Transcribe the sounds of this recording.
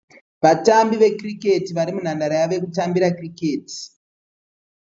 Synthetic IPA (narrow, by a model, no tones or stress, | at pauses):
ʋatambiʋe̞krike̞tiʋaɾimun̤andaɾajaʋe̞kutambiɾakrike̞ːti̥